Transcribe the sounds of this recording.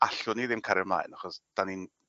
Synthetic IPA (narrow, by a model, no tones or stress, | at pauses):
aɬʊniðɪmkʰaɾjɔmlˠa̰ɨnaχɔsd̥anin